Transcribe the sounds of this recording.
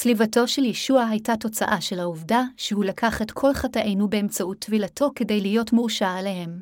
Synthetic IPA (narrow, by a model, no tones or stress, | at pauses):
slivato̞ʃeljeʃuaɦajtato̞t͡sa̰ʔaʃe̞lhauvdaʃehulakʰaχetkʰo̞lχataʔenube̞emt͡sautːvilatʰo̞ke̞de̞jlijo̞tmuʁʃaːle̞ɦem